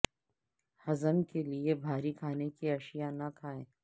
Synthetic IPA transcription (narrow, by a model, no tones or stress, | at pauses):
hɐzəmkeliebʱaːɾikʰaːnekiɐʃijanakʰaːẽː